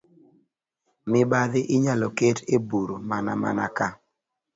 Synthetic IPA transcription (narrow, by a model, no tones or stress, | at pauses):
mɪbad̪ɪʔɪɲalɔketebuɾmana̰ma̰na̰ka